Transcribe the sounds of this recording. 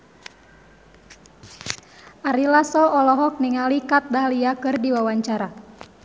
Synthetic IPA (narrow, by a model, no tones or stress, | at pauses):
ʔaɾilasɔɔlɔɦɔk̚niŋalikat̪̚daliakɨrdiwawaɲt͡ʃaɾa